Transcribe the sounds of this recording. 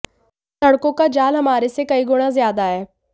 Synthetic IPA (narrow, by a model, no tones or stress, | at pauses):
sɐɽkõkad͡ʒaːlɦɐmaːɾesekɐiɡʊɽ̃ãzjaːd̪aɛː